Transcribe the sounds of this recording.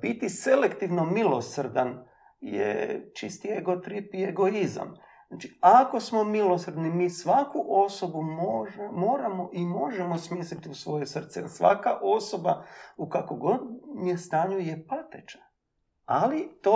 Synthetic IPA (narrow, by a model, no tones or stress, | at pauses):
b̥it̪ise̞lekt̪iʋno̞milo̞sr̩d̪an | jḛt͡ʃist̪ieɡo̞t̪ɾipie̞ɡo̞iza̰m | nat͡ʃiako̞smo̞milo̞sr̩d̪nimiːsʋakuʔo̞sobumoʒemo̞ːɾamo̞ʔimo̞ʒemo̞smjislit̪iusʋo̞jesr̩t̪sɛ̰sʋa̰kaʔo̞so̞baukakoɡo̞d̪mijest̪aːɲujepat̪et͡ʃḁ | alit̪o